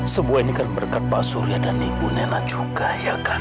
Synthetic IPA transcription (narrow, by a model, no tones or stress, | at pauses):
səbuainikanbərkat̪̚paʔsuɾiadanibunalaht͡ʃuɡajakḁn